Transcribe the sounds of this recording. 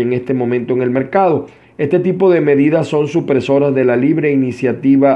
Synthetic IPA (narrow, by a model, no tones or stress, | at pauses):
eŋe̞st̪e̞mõ̞mẽnt̪oeŋe̞lme̞ɾkaðo̞ | e̞st̪e̞t̪ipo̞ðe̞me̞ðiðasːo̞nsupɾeso̞ɾazðe̞laliβɾe̞inisjat̪iβa